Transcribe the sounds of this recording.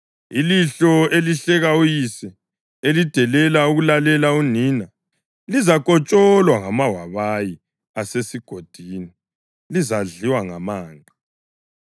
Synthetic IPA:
iliɬɔeliɬɛɣaujisɛ | elid̥ʱɛlɛlauɣulalɛlauniːna | lizakʼɔt͡ʃʼɔlwaŋamawaβaji | asesiɡ̥ʱod̥ʱini | lizaɮiwaŋamaːŋʱa

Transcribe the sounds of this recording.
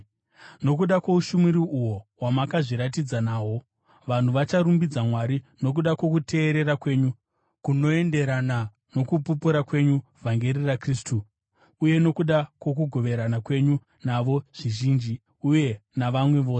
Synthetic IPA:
no̞k̬uɗakwouʃumiɾiuwo̞wamakaʐiɾat̬id͡zanaːwo̞ | ʋan̤uʋat͡ʃaɾumbid͡zamwaɾino̞k̬uɗakwo̞kute̞ːɾe̞ɾakwe̞ɲu | kuno̞e̞nde̞ɾana | no̞kupupuɾakwe̞ɲuvʱaŋɡe̞ɾirakriːstu | uje̞no̞kuɗakwo̞k̬uɡʱo̞ʋe̞ɾanakwe̞ɲu | naʋo̞ʐ̥iʒiːnd͡ʒi | uje̞naʋamwe̞ʋo̞ːse

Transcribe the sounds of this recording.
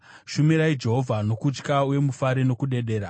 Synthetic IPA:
ʃumiɾaid͡ʒe̞ɦo̞vʱano̞kut͡ʃkauje̞mufaɾino̞kuɗe̞ɗe̞ːɾa

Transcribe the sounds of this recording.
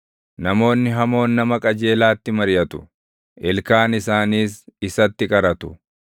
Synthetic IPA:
nɐmo̞ːnːɪɦɐmo̞ːnːɐmɐkʼɐd͡ʒe̞ːlaːt̪ːɪmɐɾjɐt̪ʊ̥ | ʔɛlkaːnɪsaːniːsɪsɐt̪ːɪkʼɐɾɐt̪ʊ̥

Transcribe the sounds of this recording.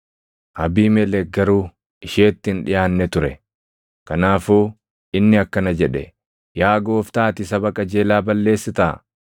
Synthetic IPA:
ʔɐbiːmɛlɛɡɐɾuː | ɪʃeːt̪ːɪnᶑɪjaːnːɛt̪ʊɾɛ | kɐnaːfuː | ɪnːɪɐkːɐnɐd͡ʒɛᶑɛ̰ | jaːɡo̞ːft̪aːt̪ɪsɐbɐkʼɐd͡ʒe̞ːlaːbɐlːe̞ːsːɪt̪a̰ː

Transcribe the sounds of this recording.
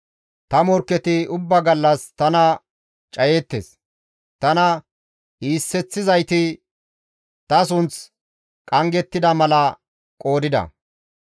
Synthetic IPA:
t̪ɐmɔɾkːɛt̪ɪʊbːɐɡɐlːɐst̪ɐnɐ | t͡ʃʼɐjeːt̪ːḛs | t̪ɐnɐ | iːsːɛt͡sːɪzɐjt̪ɪ | t̪ɐs̬ʊnt͡s | kʼɐŋɡɛt̪ːɪd̪ɐmɐlɐ | kʼo̞ːd̪ɪd̪ɐ̰

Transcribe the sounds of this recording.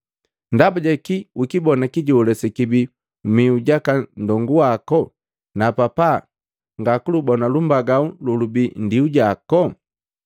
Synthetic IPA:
ndabuɟɛkiwukibɔnakiɟuulɛsɛkibi | miuɟakandɔŋɡuwakɔ | napapa̰ | ŋɡakulubɔnalumbaɡaululubindiuɟakɔ

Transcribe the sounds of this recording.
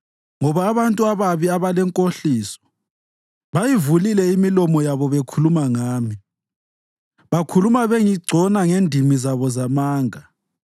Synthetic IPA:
ŋɔβaːβantʼuaβaβiaβalɛŋkʼoɬiːsɔ̥ | βajivulilɛimilɔmɔjaβɔβekʰulumaŋaːmi | βakʰulumaβeŋiɡ͡ǀʱɔnaŋendʱimizaβɔzamaːŋa

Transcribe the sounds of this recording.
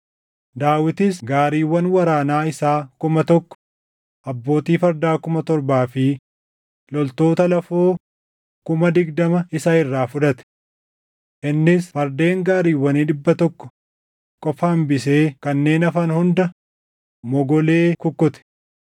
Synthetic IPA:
d̪aːwɪt̪ɪsɡaːɾiːwːɐnwɐɾaːnaːɪsaːkʊmɐt̪ɔkːɔ̥ | ʔɐbːo̞ːt̪iːfɐɾd̪aːkʊmɐt̪ɔɾbaːfɪ | lɔlt̪o̞ːt̪ɐlɐfoː | kʊmɐd̪ɪɡd̪ɐmɐɪsaɪrːaːfʊᶑɐt̪ɛ̥ | ʔɪnːɪsfɐɾd̪e̞ːŋɡaːɾiːwːɐniːᶑɪbːɐt̪ɔkːɔ̥ | kʼɔfaːmbɪse̞ːkɐnːe̞ːnɐfɐnhʊnd̪ɐ | mɔɡɔle̞ːkʊkːʊt̪ɛ̥

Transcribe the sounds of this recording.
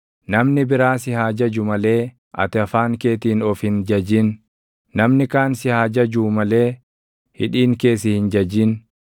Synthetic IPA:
nɐmnɪbɪɾaːsɪhaːd͡ʒɐd͡ʒʊmɐle̞ː | ʔɐ̰t̪ɪɐfaːŋke̞ːt̪iːnɔfhɪnd͡ʒɐd͡ʒɪn | nɐmnɪkaːnsɪhaːd͡ʒɐd͡ʒuːmɐle̞ː | hɪᶑiːŋke̞ːsɪhɪnd͡ʒɐd͡ʒɪn

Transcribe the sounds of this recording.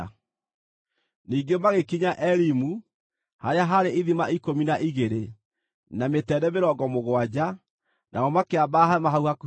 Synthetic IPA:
niːŋɡemaɣekiɲaʔɛɾimu | haɾeaɦaɾeiðimaikominaʔiɣeɾe | nametɛdɛmeɾɔɡɔmoɣwad͡ʑa | nʔa̰ɣɔmakeabaɦamaɦauhak

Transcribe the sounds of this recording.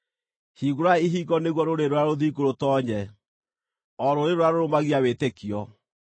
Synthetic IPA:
hiɣoɾaiɦiɣɔneɣwɔɾoɾeɾoaɾoðiɡoɾotɔɲɛ | ɔɾoɾeɾoaɾoɾomaɣiawetekiɔ

